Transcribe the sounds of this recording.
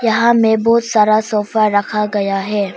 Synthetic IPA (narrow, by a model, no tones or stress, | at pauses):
jɐɦãmẽbɔːt̪saːɾasɔːfaɾɐkʰaɡɐjaɦɛː